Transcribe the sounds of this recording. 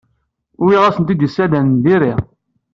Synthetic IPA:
ʊwiʁæsənt̪id̪əsːæd̪ænnðiɾiʁ

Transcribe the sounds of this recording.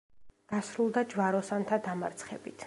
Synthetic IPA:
ɡ̥asɾulˠd̪ad͡ʒvaɾɔsant̪ʰad̪amaɾt̪sʰχɛ̰bit̪ʰ

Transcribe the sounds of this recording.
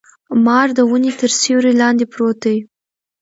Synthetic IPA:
mɑɾd̪əwənet̪əɾsewɾelɑnd̪epɾot̪əj

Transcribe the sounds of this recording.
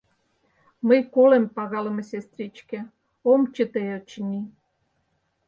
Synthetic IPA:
məjkolempɑɣɑlə̆mesʲest̪rʲit͡ɕkĕ | omt͡ɕət̪eot͡ɕnʲi

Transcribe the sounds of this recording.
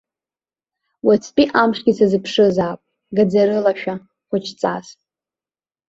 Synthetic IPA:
wat͡sʰpʼiʔamʂɡʲit͡sʰazɨpʰʂɨzaːpʼ | ɡad͡zaɾɨlaʃᶣa | χʷʊt͡ʃʰt͡sʼa̰s

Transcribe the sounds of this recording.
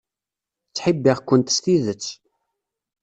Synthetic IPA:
t͡sːħibːiʁkʷːənt̪ə̥st̪iðət͡sː

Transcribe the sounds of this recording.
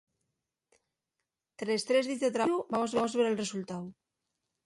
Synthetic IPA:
t̪ɾest̪ɾe̞zðiθðet̪ɾaɾubamozβamozβeɾe̞lre̞sult̪aw

